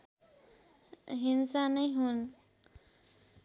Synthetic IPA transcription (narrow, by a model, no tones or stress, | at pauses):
ɦinsanʌjɦun